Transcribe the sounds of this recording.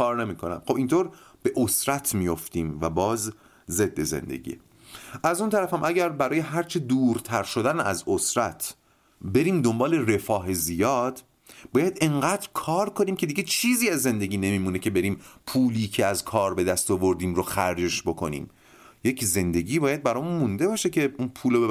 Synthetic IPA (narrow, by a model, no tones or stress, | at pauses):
kɒːɾne̞miːkʰonæ̰mxobint̪ʰoːɾ | b̥e̞ʔosɾæt̪ʰmijo̞ft̪iːmvæbɒːzː | e̞d̪ːe̞zḛnd̪e̞̰ɟḭːḛ | ʔæzunt̪ʰæɾæfæmʔæɟæɾbæɾɒːjeɦæɾt͡ʃʰed̪uːɾt̪ʰæɾʃo̞d̪ænæ̰zosɾæt̪ʰ | be̞ɾiːmd̪o̞mbɒːle̞re̞fɒːɦe̞zijɒːd̪̥ | bɒːjæd̪e̞ŋɢæːd̪ɾkʰɒːɾkʰo̞niːmcʰe̞d̪iɡe̞t͡ʃʰiːziːæzːe̞nd̪e̞ɟʲiːne̞miːmuːne̞cʰe̞be̞ɾiːmpʰuːliːcʰeæzkʰɒːɾbe̞d̪æst̪ɒvo̞ɾd̪iːmɾoxæɾd͡ʒeʃbo̞kʰo̞nḭːm | je̞cʰze̞nd̪e̞ɟiːbɒːjæd̪̚bæɾɒːmunmund̪e̞bɒːʃecʰe̞unpʰuːlo